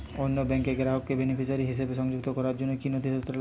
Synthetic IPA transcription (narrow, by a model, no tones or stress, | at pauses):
onːobɛŋkeɡeɾaɦokːebenifʰiʃaɾiɦiʃebeʃɔŋd͡ʑuk̚t̪okɔɾaɾd͡ʑonːokinod̪ʱid̪et̪ːoɾ